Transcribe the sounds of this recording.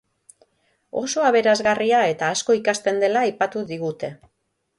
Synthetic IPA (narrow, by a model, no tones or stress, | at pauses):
o̞̰so̞aβ̞e̞ɾazɣariae̞t̪aːsko̞ikast̪e̞nd̪e̞laːjpat̪uðiɣut̪e̞